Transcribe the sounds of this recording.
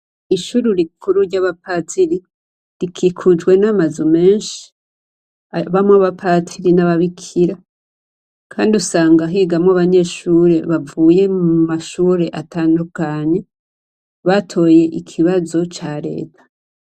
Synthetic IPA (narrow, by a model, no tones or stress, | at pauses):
iʃuɾuɾikʰuɾuɾɟaβapatiɾi | ɾikʰikʰud͡ʒɡwe̞namazume̞ːɲʃi̥ | βamoβapʰatʰiɾinaβaβikʰiɾa | kʰaːndiusaːŋɡaɦiɡamŋoaβaɲe̞ʃuːɾe̞βavuːje̞umaʃuɾe̞ʔataːndukaɲe̞ | βatʰo̞je̞ʔikʰiβazo̞t͡ʃaɾe̞̰ːtʰḁ